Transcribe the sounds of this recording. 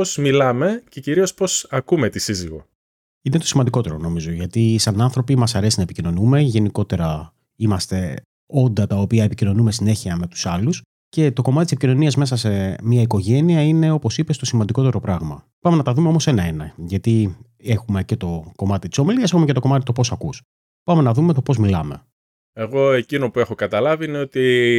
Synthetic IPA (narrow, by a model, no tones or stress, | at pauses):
osmilɐme̞ceciɾio̞spo̞sɐkumet̪isiziɣo̞̰ | inet̪o̞simɐnd̪iko̞t̪e̞ɾo̞no̞mizo̞ʝɐt̪isɐnɐnθɾo̞pimɐsɐɾe̞sinɐepicino̞nume̞ʝe̞niko̞t̪e̞ɾɐ | imɐst̪e̞ | o̞nd̪ɐt̪ɐopiɐepicino̞nume̞sine̞çiɐme̞t̪u̥sɐlus | ce̞t̪o̞ko̞mɐt̪t̪isepicino̞niɐzme̞sɐse̞miɐikoʝe̞niɐine̞o̞po̞sipe̞st̪o̞simɐnd̪iko̞t̪e̞ɾo̞pɾɐɣmɐ̰pɐme̞nɐt̪ɐðumeomo̞se̞nɐenɐʝɐt̪i | e̞xume̞ce̞t̪o̞ko̞mɐt̪it̪i̥so̞miliɐse̞xumecet̪oko̞mɐt̪it̪opo̞sɐkus | pɐme̞nɐðumet̪o̞po̞zmilɐme | e̞ɣo̞e̞cino̞pue̞xo̞kɐt̪ɐlɐviineot̪i